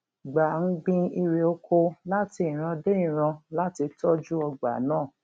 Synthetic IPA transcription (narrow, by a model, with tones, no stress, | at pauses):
ɡ͡ba˨n̩˦ɡ͡bĩ˧i˧ɾe˨o˧kʰo˧la˦ti˧ĩ˨ɾ̃ã˧de˦ĩ˦˨ɾ̃ã˧la˦ti˧tɔ˦d͡ʒu˦ɔ˧ɡ͡ba̰˨˦nãː˦˨